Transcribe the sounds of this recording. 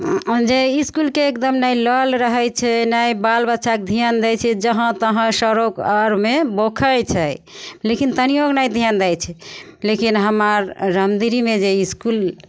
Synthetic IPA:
d͡ʒeiskulkeekd̪əmnailəlɾəɦɛjt͡ʃʰɛnaibalbət̪ːʃʰaked̪ʱijand̪ɛt͡ʃʰɛd͡ʒəɦə̃t̪əɦə̃səɾokəɾmebokʰəjt͡ʃʰɛlekint̪ənijoɡnajd̪ʱijand̪ɛjt͡ʃʰɛlekinɦəməɾːəmd̪iɾimed͡ʒeiskul

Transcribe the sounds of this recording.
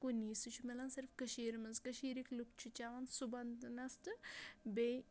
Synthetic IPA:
kuniːsɨt͡ʃʰumelansiɾfkɐʃiːɾmɐzkɐʃiːɾiklukt͡ʃʰut͡ʃaʋɐnsubɐnd̪ɨnɐst̪ɨbej

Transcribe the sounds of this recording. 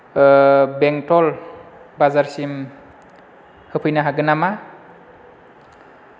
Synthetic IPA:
beŋtɔlbazaɾsim | hɯpʰɯjnaɦaɡɯnama

